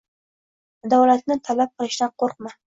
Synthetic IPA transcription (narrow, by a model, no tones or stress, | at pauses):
d̪awlat̪̚nɪt̪ʰalap̚qʰɨlˠɪʃd̪aqʰoɾq̚ma